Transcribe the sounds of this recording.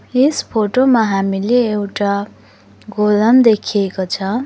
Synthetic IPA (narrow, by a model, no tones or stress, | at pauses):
espʰoʈomaɦamileːwʈa | ɡolʌmd̪ekʰijekot͡sʰʌ